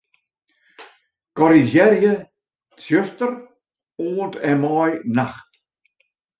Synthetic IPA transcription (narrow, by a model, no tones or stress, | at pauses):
kɔɾizɛɾjə | t͡sjøst̪əɾ | oːntɛmɔjnaxt